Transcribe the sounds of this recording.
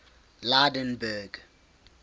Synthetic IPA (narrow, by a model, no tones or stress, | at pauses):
ladɛ̃nbɛɡ